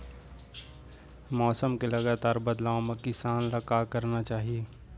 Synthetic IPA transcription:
mɔːsəmkelɐɡaːt̪aːɾbɐd̪laːõmẽkɪsaːnlakaːkɐɾnat͡ʃaːɦieː

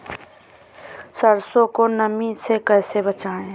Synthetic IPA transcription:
səɾsõkonəmĩsekɛːsebət͡ʃaːẽ

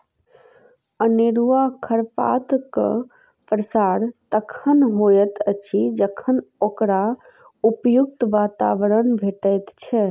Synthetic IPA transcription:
əneɾuakʰəɾpa̰t̪k | pɾəsaɾt̪əkʰənɦojət̪ət͡ʃʰid͡ʒəkʰənokɾa | upjuk̚t̪ʋaːt̪a̰ʋəɾənbʱeʈəjt̪t͡ʃʰɛ

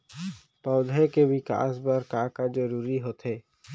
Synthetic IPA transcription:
pɔːd̪ʱekebɪka̰ːsbəɾkaːkad͡ʒəɾuːɾiɦoːt̪ʰeː

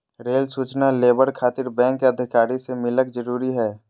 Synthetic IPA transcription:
ɾeːlsuːt͡ʃnaleːbəɾkʰaːt̪ɪɾbɛ̃ːŋkːeɐd̪ʱɪkaːɾisemɪləkd͡ʒəɾuːɾiɦɛː

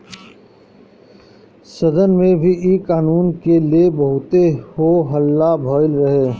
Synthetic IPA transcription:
sɐd̪ənmẽbʱiikaːnuːnkeliebɐɦʊt̪ehoɦəlːabʱɔːɪlɾɐɦeː

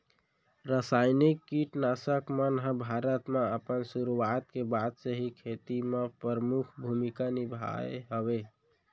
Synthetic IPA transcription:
ɾəsaɪnikːiʈnasəkmənɦə̃bʱaɾət̪meəpənsuɾuat̪kebad̪səɦikʰet̪imepɾəɾəmukʰbʱumikanibʱa̰ḛɦəβe

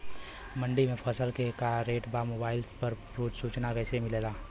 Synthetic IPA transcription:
məɳɖimẽpʰəsəlkekaɾeːʈbamoːbaːɪlspəɾpɾuːd͡ʒsuːt͡ʃnakəɪsemɪleːlaː

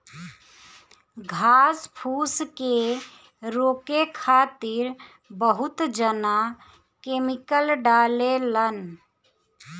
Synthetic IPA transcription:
ɡʱaːspʰuːske | ɾoːkekʰat̪iɾ | bəɦut̪d͡ʒəna | kemikəlɖalelən

